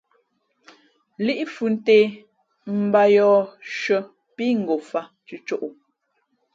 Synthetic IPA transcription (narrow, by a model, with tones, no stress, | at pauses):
li˦ʔfʉ˨n̩˦teː˦ | m̩˨ba˦jɔː˨˦ʃə˦ | pi˦ŋ̩˨ɡo˨fa˦ | t͡ʃʉ˦t͡ʃo˦ʔu˨